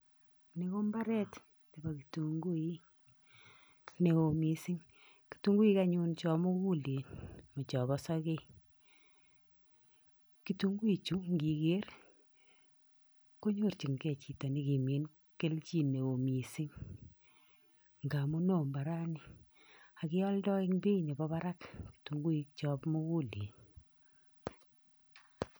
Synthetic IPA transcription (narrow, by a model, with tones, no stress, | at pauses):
ne˨ko˦mba˦ɾɛ˦t | te˨ba˨ki˨tu˨ŋɡu˦i˦ | ne˨o˨mi˨sɪ˦ŋ | ki̥˨tu˦ŋɡu˦i˦ka˦ɲʊ˦nt͡ʃɔ˨mo˦ku˦le˨nmo˨t͡ʃɔ˨βɔ˦sɔ˦ke˦ | ki˨tu˦ŋɡu˦i˨t͡ʃu˦ŋɡi˨ke˦ɾ | ko˦ɲo˦ɾt͡ʃi˨ŋɡɛ˦˨t͡ʃi˨ta˨ni˦ki˨me˨n | ke˦lt͡ʃi˦ne˨o˨mi˨si˦ŋ | ŋɡa˨mu˦no˦˨mba˨ɾa˦ni˦ | a˨kɪ˦ɔ˦ldɔ˦i˦ŋbi˦ne˨bɔ˦ba˦ɾa˦kki̥tu˨ŋɡu˦i˨k̚t͡ʃɔ˦pmu˦ku˦le˨n